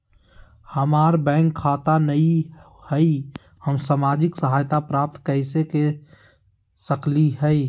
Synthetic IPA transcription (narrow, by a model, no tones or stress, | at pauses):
həmaːɾbɛ̃ːŋkʰːaːt̪anəi | hɛi | həmsamaːd͡ʒɪksəɦaːjt̪apɾaːp̚t̪kəɪseke | səkliɦɛi